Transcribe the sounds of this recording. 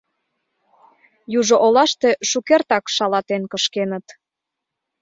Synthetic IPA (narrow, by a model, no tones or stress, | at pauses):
juʒoʔolɑʃt̪eʃukert̪ɑkʃɑlɑt̪enkəʃkenət̪